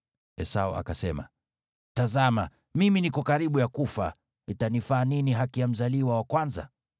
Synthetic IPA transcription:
ɛsaɔʔa̰kasɛma̰ | tazama | miminikɔkaɾiɓujakufa | nitanifaːniniɦakijam̩zaliwawakwanza̰

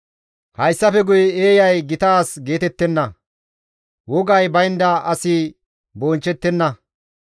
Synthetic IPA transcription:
hɐjsːɐfɛɡʊjeːjɐjɡɪt̪aːsɡe̞ːt̪ɛt̪ːɛnːɐ | wɔɡɐjbɐjnd̪ɐʔɐsɪ | boːnt͡ʃːɛt̪ːɛnːɐ

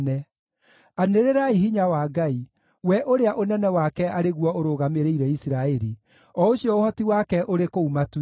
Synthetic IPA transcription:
nɛ | aneɾeɾaiɦiɲawaːɡai | wɛʔoɾeaʔonɛnɛwakɛaɾeɣwɔoɾoːɣameɾeiɾɛisiɾaɛɾi | ɔoɕjɔohɔtiwakɛʔoɾekoumat

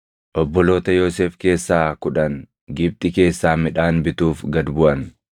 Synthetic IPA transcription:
ʔɔbːɔlo̞ːt̪ɐjoːseːfke̞ːsːaːkʊᶑɐŋ | ɡɪb̚t̪ʼɪke̞ːsːaːmɪᶑaːnbɪt̪uːfɡɐd̪bʊʔɐn

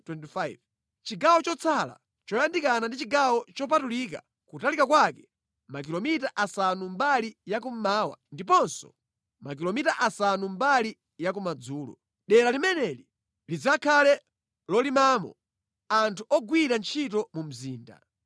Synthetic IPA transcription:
twɛntifajv | t͡ʃiɡawɔt͡ʃɔt͡sʰala̰ | t͡ʃɔjandikanandit͡ʃiɡawɔt͡ʃɔp̬atulika̰ | kutalikakwakɛ̥ | mak̬ilɔmitaʔasanumbalijakum̩maːwa̰ndipɔnsɔ̰ | makilɔmitaʔasanumbali | jakumad͡zuːlɔ̰ | ɗɛɾalimɛnɛli | lid͡zakʰalɛ | lɔlimaːmɔ̰ | antʰuʔɔɡwiɾant͡ʃʰitɔmum̩ziːnda̰

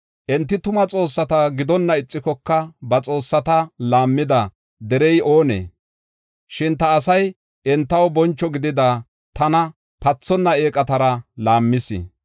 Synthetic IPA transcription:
ʔɛnt̪ːɪt̪ʊmɐt͡sʼo̞ːsːɐt̪ɐɡɪd̪ɔnːɐɪt͡sʼːɪkɔkːɐbɐt͡sʼo̞ːsːɐt̪ɐlaːmːɪd̪ɐ | d̪ɛɾɛjo̞ːnḛː | ʃɪnt̪ɐːsɐj | ʔɛnt̪ːɐwbɔnt͡ʃːɔɡɪd̪ɪd̪a | t̪ɐnɐ | pɐt͡sːɔnːɐeːkʼɐt̪ɐɾɐlaːmːɪsɪ̰

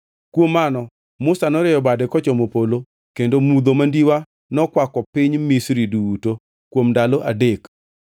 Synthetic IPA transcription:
kwomːanɔ | mʊsanɔɾɪjɔbadɛkɔt͡ʃɔmopolo | kendomud̪omandiwa | nɔkwakɔpɪɲmisɾiduuto | kwomndalɔʔadek

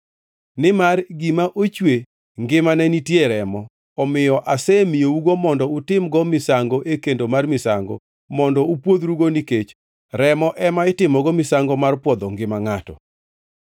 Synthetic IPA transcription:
nɪmarɡimaʔot͡ʃwe | ŋɡɪmanɛnitjeɾɛmɔ | ɔmɪjɔʔasɛmɪjouɡomɔndɔʊtɪmɡɔmɪsaŋɡoʔekendomarmɪsaŋɡɔ̰ | mɔndɔupwod̪ɾuɡoniket͡ʃ | ɾɛmɔʔɛmaɪtɪmɔɡɔmɪsaŋɡɔmarpwɔd̪ɔŋɡɪmaŋatɔ̰

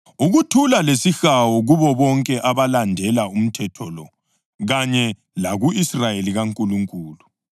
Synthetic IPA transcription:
uɣutʰulalesixawɔɣuβɔβɔŋkʼɛʔaβalandʱɛlaum̩tʰɛtʰɔlɔ̰ | ɣaɲɛ | laɣuisrajeliɣaŋkʼuluŋkʼuːlu

